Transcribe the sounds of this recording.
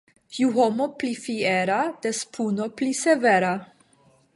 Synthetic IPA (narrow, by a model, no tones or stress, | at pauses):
juɦomoplifieɾad̪̥espʰunopliseveɾa